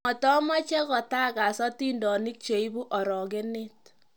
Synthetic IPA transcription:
ɔ˨tɔ˦ma˦t͡ʃe˦kɔ˨ta˦ka˨sɔ˦ti˦ndɔ˨ni˦k̚t͡ʃe˨i˦bu˦ʔɔ˨ɾɔ˨ɡe˦ne˦t̚

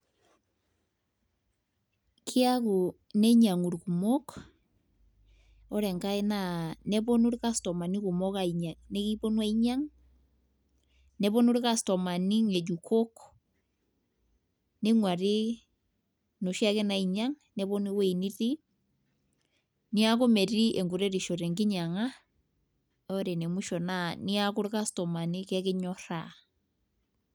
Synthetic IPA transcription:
kʰi˦a˦ɣo˨ | nɛ˦ɲa˨ŋo˨ɾiku˨mɔ˦ka | ɔ˦ɾɛ˨ŋɡa˦e˦na˨nɛ˦βo˦no˦ɾe˦ka˦stɔ˨ma˨ni˦ɣo˨mɔ˦ɣa˨i˨ɲa˨ne˦ɣi˦βo˦nwa˦i˦ɲa˦ŋ | nɛ˦βo˦no˦ɾe˦ɣa˦stɔ˨ma˨ni˦ŋe˨d͡ʒu˨kʰo˦ko̥ | ne˦ŋwa˨ɾe˦ | no˨ʃja˦ke˦na˨i˨ɲa˦ŋ | ne˦βɔ˦ne˦we˦i˨ni˦ɾi˦ | ni˦a˦ɣo˦mɛ˨ɾi˦ʔe˨ŋɡo˨ɾe˦ɾe˨ʃo˨ɾɛ˨ŋɡi˦ɲa˨ŋa˦ | ɔ˦ɾe˨ne˨mu˦ʃɔ˨nani˦a˦ko˦ɾe˦ka˦stɔ˨ma˨ni˦kɛ˦ke˦ɲɔ˦ɾa

